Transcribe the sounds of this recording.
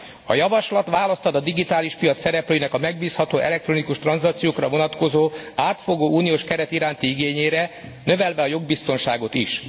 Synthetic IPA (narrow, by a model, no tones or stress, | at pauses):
ɒ̰jɒvɒʃlɒt̪ʋaːlɒst̪ɒd̪ɒd̪iɡit̪aːliʃpijɒt̪sɛɾɛpløːjinɛkɒmɛɡ̚biːshɒt̪oːʔɛlɛk̚t̪ronikuʃt̪rɒnzɒkt̪sijoːkrɒvo̞nɒt̪ko̞zoːaːt̪fo̞ɡoːuːnijoːʃkɛɾɛt̪iɾaːnt̪iiɡeːɲeːɾɛnø̞vɛlvɛɒjo̞ɡ̚bist̪o̞nʃaːɡo̞t̪ḭʃ